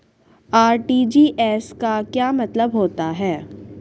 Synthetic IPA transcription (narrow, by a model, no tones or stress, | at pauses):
aːɾʈiːd͡ʒiːʔɛːskakjaːmɐt̪ləbɦoːt̪aɦɛː